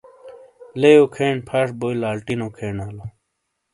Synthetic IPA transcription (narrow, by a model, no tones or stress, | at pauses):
lejokʰeːɳpʰaʂbojlaːlʈinokʰeːnaːlo